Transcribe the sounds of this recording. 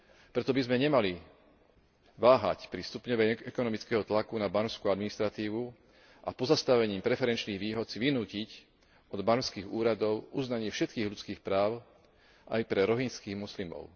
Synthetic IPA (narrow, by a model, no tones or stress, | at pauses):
pɾɛt̪ɔbizmɛɲɛmali | ʋaːɦa̰cpɾist̪upɲɔʋɛɛkɔnɔmit͡skɛɦɔt̪lakunabanʊskuad̪minist̪ɾat̪iːʋu | ʔa̰pɔzast̪aʋɛɲiːmpɾɛfɛɾɛnt͡ʃniːɣʋiːɦɔt̪siʋinuːcic | ɔd̪banskiːɣuːɾad̪ɔʊuznaɲɪɛfʃɛt̪̚kiːɣlʎut͡skiːxpɾaːʊ | ʔa̰jpɾɛɾɔɦinskiːɣmɔslimɔ̰ʊ